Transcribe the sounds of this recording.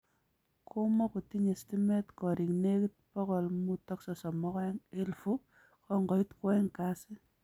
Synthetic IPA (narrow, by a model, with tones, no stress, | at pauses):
kʰo˦mɔ˦ku˨ti˦ɲe˨sti˦mɛ˦tkɔ˨ɾʔi˨ŋne˦ki˦t̚pɔ˦kɔ˨lmu˦tɔ˦ksɔ˨sɔ˨mɔ˦kɛ˦ŋe˦lfu˦ | kɔ˨ŋɡɔ˨i˦tkwɛŋkasɪ˦